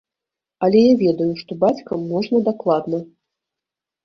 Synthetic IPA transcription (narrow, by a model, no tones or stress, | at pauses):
ɐlʲɛjavʲɛd̪ɐjuʂt̪ɔbat͡sʲkɐmːɔʐnɐd̪aklˠad̪nɐ